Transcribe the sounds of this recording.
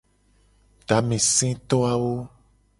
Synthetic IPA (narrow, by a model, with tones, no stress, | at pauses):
ɖ̥a˨˦mẽ˨sɛ̃˦t̪ɔ˦a˨wo˦